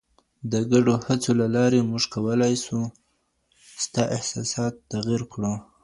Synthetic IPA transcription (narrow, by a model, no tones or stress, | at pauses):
d̪əɡaɖohat͡solalɑɾemuʒkawəlajsu | st̪ɑʔɪhsɑ̰sɑt̪ːaɣiɾkɽu